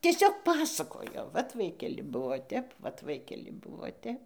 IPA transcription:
tʲiɛˈsʲoːk ˈpɑːsɐkoːjoː ˈʋɐt ˈʋɐɪkʲɛlʲɪ ˈbuɔ ˈtʲɛp ʋɐt ˈʋɐɪkʲɛlʲɪ ˈbʊʋoː ˈtʲɛp

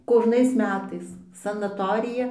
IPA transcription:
koːʒˈnɐɪs ˈmʲæːtɐɪs sɐnɐˈtoːrʲɪjɛ

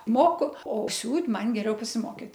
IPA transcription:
ˈmoːkʊ oː ˈsʲuːtʲ ˈmɐn ɡʲɛˈrʲɛʊ pɐsʲɪˈmoːkʲɪt

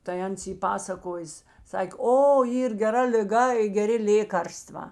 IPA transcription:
tɐɪ ˈɐns ˈiː ˈpɑːsɐkoːjeːs ˈsɑːkʲeː ˈoː ˈiːr ɡʲɛˈrɐ lʲɪˈɡɐ ɪ ɡʲɛˈrʲɪ ˈlʲeːkɐrstʋɑː

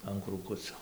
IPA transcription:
ɐn kruːˈkʊt͡soː

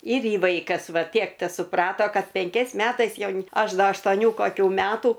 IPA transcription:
ɪr ˈjɪ ˈʋɐɪkɐs ˈʋɐ ˈtʲiɛk tʲɛsʊˈprɑːtoː ˈkɐt pʲɛŋʲˈkʲɛɪs ˈmʲæːtɐɪs ˈjɛʊn ˈɐʃ ˈdɐ ɐʃtoːˈnʲuː koːˈkʲuː ˈmʲæːtuː

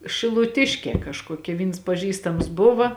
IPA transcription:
ʃʲɪlˠʊˈtʲɪʃʲkʲeː kɐʃkuɔˈkʲɛ ˈʋʲiːns pɐˈʒʲiːstɐms ˈbʊʋɐ

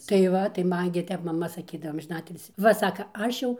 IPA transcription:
tɐɪ ˈʋɐ tɐɪ ˈmɐn ɡʲɪ ˈtʲɛp mɐˈmɐ sɐˈkʲiːdɐʋoː ɐmʲʒʲɪˈnɑːtʲɪlʲsʲiː ˈʋɐ ˈsɑːkɐ ˈɐʃ jɛʊ

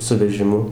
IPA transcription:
sʊ ʋʲɛʒʲɪˈmʊ

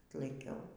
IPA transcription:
tlˠɐɪˈkʲɛʊ

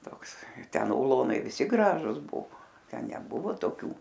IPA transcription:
ˈtoːks tʲɛn ʊˈlˠoːnɐɪ ˈʋʲɪsʲɪ ˈɡrɑːʒʊs ˈbʊʋoː ˈtʲɛn nʲɛˈbʊʋoː toːˈkʲuː

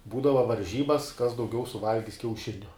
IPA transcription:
ˈbuːdɐʋɐ ʋɐrʲˈʒʲiːbɐs kɐs dɐʊˈɡʲɛʊ sʊˈʋɐlʲɡʲɪs kʲɛʊˈʃʲɪnʲʊ

